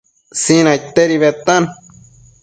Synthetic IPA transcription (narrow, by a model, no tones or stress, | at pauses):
sĩnãjt̪eɾiβet̪an